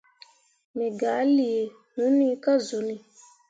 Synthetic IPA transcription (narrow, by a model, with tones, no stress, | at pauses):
mẽ˨ɡa˨˦li˨e˨ | nũ˨˦nĩ˦ka˦zo˨nĩ˨